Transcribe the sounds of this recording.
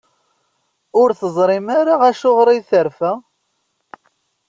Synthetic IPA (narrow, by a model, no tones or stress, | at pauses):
ʊɾθəzˤɾˤɪmaɾaʁæʃʊʁɾˤijθəɾfæ